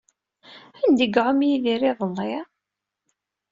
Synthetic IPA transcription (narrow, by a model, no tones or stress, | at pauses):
ænd̪əɡʕʊmjiðiɾiðˤəlːi